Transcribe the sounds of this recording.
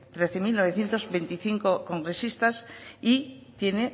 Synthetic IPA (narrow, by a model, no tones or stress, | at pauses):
t̪ɾe̞θe̞milno̞β̞e̞θje̞nt̪o̞zβe̞nt̪iθiŋkoko̞ŋɡɾe̞sist̪asit̪je̞ne